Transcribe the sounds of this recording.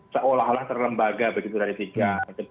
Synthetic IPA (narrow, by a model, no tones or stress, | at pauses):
səʔolaɦolaht̪ərləmbaɡabəɡit̪udaɾit̪iɡait̪u